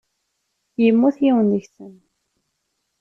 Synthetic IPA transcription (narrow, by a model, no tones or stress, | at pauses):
jəmːuθjiwənðəçsən